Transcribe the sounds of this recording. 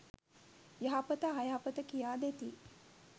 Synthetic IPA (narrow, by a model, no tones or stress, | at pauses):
jaɦapət̪əɦajaapət̪əkijaːd̪et̪i